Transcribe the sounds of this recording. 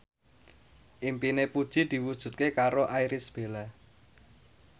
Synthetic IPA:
ʔimpinepud̥ʒ̥i̤d̪̥i̤wud̥ʒ̥ṳt̪̚kekaɾoʔajɾɪsb̥ela

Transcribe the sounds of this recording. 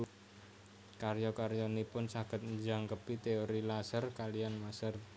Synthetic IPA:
karjɔkaɾjɔnipʊnsaɡət̪̚ɲd͡ʒaŋkəpit̪eoɾilasərkalijanmasər

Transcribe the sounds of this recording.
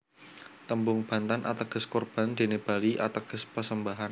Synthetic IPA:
t̪əmbʊŋb̥a̤nt̪anʔa̰t̪əɡ̥əskɔrb̥and̪̥e̤neb̥aliʔa̰t̪əɡ̥əspərsəmbaɦan

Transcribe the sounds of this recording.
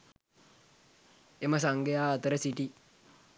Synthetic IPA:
eməsaŋɡejaːt̪əɾəsiʈi

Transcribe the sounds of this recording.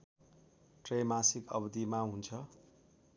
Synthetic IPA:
ʈremasikʌ̰bd̪imaɦunt͡sʰʌ

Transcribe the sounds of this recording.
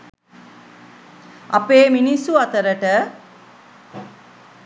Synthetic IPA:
apeːminisuɐt̪əɾəʈə

